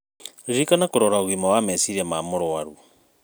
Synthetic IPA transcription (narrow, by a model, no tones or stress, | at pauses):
ɾikanakoɾɔɾaoɣimawamesiɾiamamoɾowaɾu